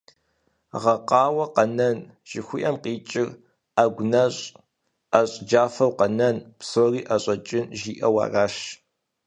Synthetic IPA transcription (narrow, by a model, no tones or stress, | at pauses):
ʁɐqɑːwɐqɐnɐn | ʒ̥ɪxʷiʔɐmqiːt͡ʃʼɪr | aɡʷʊnɐɕʼ | aɕʼd͡ʒaːfɐwqɐnɐnpsoriːʔɐɕʼɐt͡ʃʼɪnʒiːʔɐwɑ̰ːraːʃ